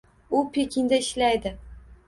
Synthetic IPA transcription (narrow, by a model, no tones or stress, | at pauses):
ʊpʰe̞kʲʰɪnd̪aɪʃlajd̪ɪ